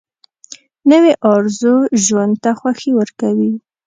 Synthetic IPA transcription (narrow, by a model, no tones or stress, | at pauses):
nəweʔɑɾzoʒwand̪̚t̪axwaxewəɾkawi